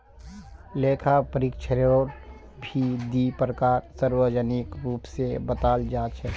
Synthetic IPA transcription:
leːkʰapəɾikt͡ʃʰəɾoɾ | bʱid̪ipɾəkaːɾsəɾwəd͡ʒənɪkɾuːpsebət̪aːld͡ʒaːt͡ʃʰɛ

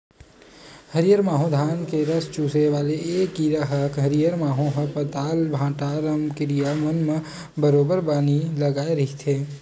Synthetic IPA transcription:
həɾijəɾmaːɦõd̪ʱaːnkeɾɐst͡ʃuːseʋaːleeːkːiːɾaɦəkɦɐɾijəɾmaːɦõɦəpət̪aːlbʱãːʈaːɾəmkɪɾijamənmə | bəɾoːbəɾbaːnilɐɡaːeɾɐɦit̪ʰeː

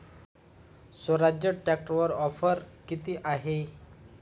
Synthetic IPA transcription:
sʋəɾad͡ʑjəʈɾɛk̚ʈʋəɾɔfəɾkit̪iːʔaɦe

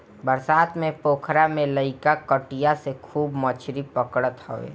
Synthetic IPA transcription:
bəɾsaːt̪mẽpoːkʰɾamẽləɪkakəʈijasekʰuːbmɔt͡ʃʰɾipəkɽət̪ho̰ʋḛː

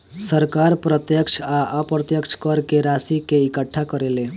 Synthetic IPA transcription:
səɾkaɾpɾət̪jəkʃʰaʔapɾət̪jəkʃkəɾkeɾasikeɪkəʈʰːakəɾele

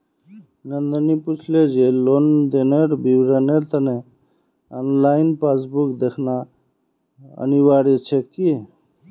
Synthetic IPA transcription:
nənd̪əniput͡ʃʰled͡ʒelond̪eneɾbʱiwɾəneɾt̪əne | anlaɪnpasbukd̪ekʰna | ə̰niwaɾit͡ʃʰeki

